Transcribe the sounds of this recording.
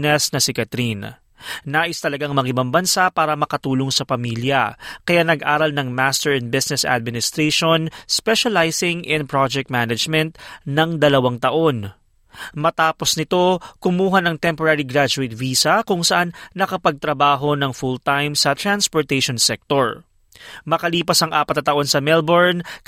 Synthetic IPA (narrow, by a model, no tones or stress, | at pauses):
nɛsnɐsɪkɐt̪ɾin | naːʔɪst̪ɐlɐɡaŋmɐɡɪbambɐnsapaːɾɐmɐkɐt̪uːloŋsɐpɐmiljɐ̰kɐjanɐɡʔaːɾɐlnɐŋmast̪ɛɹɛnbɪsnɛsʔa̰d̪̚mɪnɪst̪ɾeʃonspɛʃɐlajsɪŋʔɛ̃n̚pɹad͡ʒɛk̚t̪̚manɐd͡ʒmɛnt̪̚nɐŋd̪ɐlɐwaŋt̪ɐʔo̞n | mɐt̪aːpo̞snɪt̪o̞kʊmuːɦɐnɐŋt̪ɛmpoɾaɾiɡɾad͡ʒʊɪt̪̚viːsɐkʊŋsɐʔanːɐkɐpɐɡ̚t̪ɾɐbaːɦo̞nɐŋfult̪ajmsɐt̪ɾanspoɹt̪ɛjʃonsɛk̚t̪oɹ | mɐkɐliːpɐsɐŋʔaːpɐt̪nɐt̪ɐʔo̞nsɐmɛlboɹn